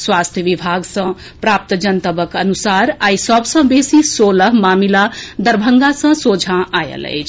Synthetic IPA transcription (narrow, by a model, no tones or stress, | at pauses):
swast̪ʰjəʋibʱaɡsə̃ | pɾap̚t̪d͡ʒənt̪əbəkənusaɾaisəbsə̃besisoləɦmamilad̪əɾbʱəŋɡasə̃sod͡ʒʱãajḛlə̰t͡ʃʰ